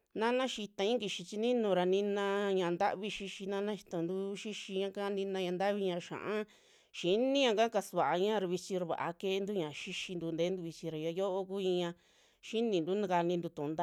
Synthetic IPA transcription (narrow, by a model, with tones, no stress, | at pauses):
nã˦nã˦ʃi˧t̪ã˧ĩ˦ki˧ʃi˧t͡ʃi˧nĩ˦nũ˧ɾa˧nĩ˧nã˧ɲã˨˧nd̪a̰˦βi˧ʃi˧ʃi˧nã˦nã˦ʃi˧t̪õ˧˨nd̪u˦ʃi˦ʃi˧ɲã˧ka˦˧nĩ˧nã˧ɲã˧˨nd̪a˦βi˧ɲã˧ʃã̰˨ʔã˦ | ʃi˨nĩ˦ɲã˧ka˦ka˧sβa˨ʔa˧ɲã˦˧ɾa˧βi˧t͡ʃi˧ɾa˧βa̰˨ʔa̰˧ke˦˧nd̪u˦ɲã˨ʃi˦ʃi˧nd̪u˧nd̪eː˦nd̪u˧βi˧t͡ʃi˧ɾa˨ja˧jo˦ʔo˦ku˦ĩ˧ɲã˧ | ʃi˦nĩ˨nd̪u˦nã˧ka˧nĩ˧nd̪u˧t̪ũ˨˧nd̪a˦˧